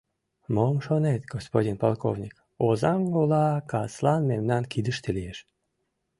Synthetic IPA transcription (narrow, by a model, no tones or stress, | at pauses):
momʃonet̪ɡospodʲinpolˠko̰vnʲik | ozɑmɡolɑkɑslɑnmemnɑnkid̪əʃt̪elijeʃ